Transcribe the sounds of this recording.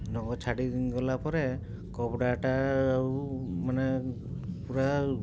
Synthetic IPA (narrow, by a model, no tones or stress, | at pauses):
nɔɡɔt͡ʃʰaɽiɡɔlapɔɾɛ | kɔbdataːɹumanɛ | puɹa